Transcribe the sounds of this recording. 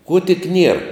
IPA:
kuɔ tʲɪk ˈnʲiɛr

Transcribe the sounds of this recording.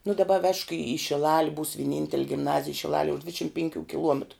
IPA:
nʊ dɐˈbɐ ʋʲɛʃk iː ɪ ʃʲɪˈlˠɑːlʲɪ buːs ʋʲiɛˈnʲɪnʲtʲɛlʲ ɡʲɪmˈnɑːzʲɪj ʃʲɪˈlˠɑːlʲiɛ ʊʃ ˈdʲʋʲɪtʲʃʲɪm pʲɛŋʲˈkʲuː kʲɪˈlˠuɔmʲɛtrʊ

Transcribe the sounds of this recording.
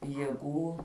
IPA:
jeːˈɡuː

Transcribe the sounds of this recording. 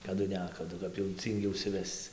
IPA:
kɐˈdʊ ˈnʲæːkɐdʊ kɐp jɛʊ ˈt͡sʲiːŋʲɡʲɪ ʊʃʲsʲɪˈʋʲɛst͡s

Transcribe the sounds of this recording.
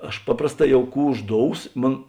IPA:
ˈɐʃ ˈpɑːprɐsˌtɑː ˈjɛʊ ˈkuː ʊʒˈdoːʊs ˈmoːn

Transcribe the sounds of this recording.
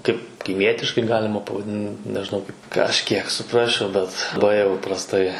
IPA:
ˈkɐɪp kɐɪˈmʲiɛtʲɪʃkɐɪ ˈɡɑːlʲɪmɐ pɐʋɐˈdʲɪn nʲɛʒʲɪˈnɐʊ kɐɪp kɐʃʲˈkʲiɛk sʊˈprɑːsʲt͡ʃʲɛʊ ˈbʲɛt bɐɪ jɛʊ prɐsˈtɐɪ

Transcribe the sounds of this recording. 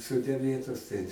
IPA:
ˈsoːdʲɛ ˈmʲeːtoːs tɐɪ

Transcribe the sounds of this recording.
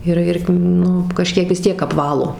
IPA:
ɪr ˈɪr ˈnʊ kɐˈʃʲkʲiɛk ʋʲɪs ˈtʲiɛk ɐpˈʋɑːlˠoː

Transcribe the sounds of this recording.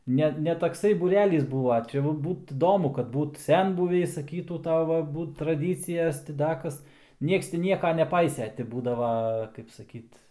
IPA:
ˈnʲɛ nʲɛ tɐkˈsɐɪ buːˈrʲæːlʲiːs ˈbuːʋɐ ˈt͡ʃʲɛ ʋɐ ˈbuːt ɪˈdoːmʊ kɐt ˈbuːt ˈsʲɛnbʊʋʲɛɪ sɐˈkʲiːtuː ˈtɑːʋɐ ˈbuːt trɐˈdʲiːt͡sʲɪjɛs tʲɪ ˈdɐ ˈkɐs ˈnʲiɛks ˈtʲɪ ˈnʲiɛkɐ nʲɛˈpɐɪsʲeː tʲɪ ˈbuːdɐʋɐ kɐɪp sɐˈkʲiːt

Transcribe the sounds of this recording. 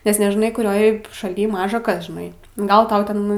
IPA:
nʲɛs nʲɛʒʲɪˈnɐɪ kʊˈrʲoːj ʃɐˈlʲiː ˈmɑːʒɐ ˈkɐs ʒʲɪˈnɐɪ ˈɡɐlˠ ˈtɐʊ ˈtʲɛn

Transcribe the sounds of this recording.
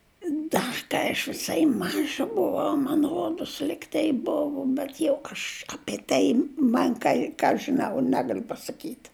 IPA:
ˈdɐ kɐɪ ɐʃ ʋʲɪˈsɐɪ ˈmɑːʒɐ ˈbʊʋɐʊ mɐn ˈroːdʊs ˈlʲɪktɐɪ ˈbʊʋʊ bʲɛt jɛʊ ɐʃ ɐpʲiɛ ˈtɐɪ ˈmɐn kɐɪ ˈkɑː ɐʃ ʒʲɪˈnɐʊ ˈnʲæːɡɐlʲʊ pɐsɐˈkʲiːtʲ

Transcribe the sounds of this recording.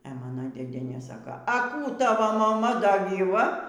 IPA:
ɛ ˈmɑːnɐ dʲeːˈdʲiɛnʲeː ˈsɑːkɐ ɐ ˈkuː ɐ ˈtɑːʋoː mɐˈmɐ dɐ ɡʲiːˈʋɐ

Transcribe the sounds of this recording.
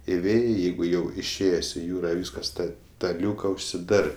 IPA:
ɪˈʋʲeːjɛɪ ˈjɛɪɡʊ ˈjɛʊ ɪʃʲˈeːjeːsʲ ɪ ˈjuːrɐ ˈʋʲiːskɐs ˈtɐ tɐ ˈlʲuːkɐ ʊʃʲsʲɪˈdɑːrɜ

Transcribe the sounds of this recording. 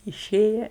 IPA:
ɪˈʃʲeːjɛ

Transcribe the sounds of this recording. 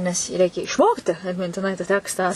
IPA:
nʲɛs jiː ˈrʲɛɪkʲɛ ɪʃˈmoːktʲɪ ɐtʲmʲɪnʲtʲɪˈnɐɪ tɐ ˈtʲæːkstɑː

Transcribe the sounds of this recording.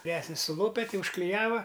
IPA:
ʋʲɪˈrʲæːsʲnʲɪs sʊˈlˠoːpʲɛ ˈtʲɪ ʊʃklʲɪˈjæːʋɐ

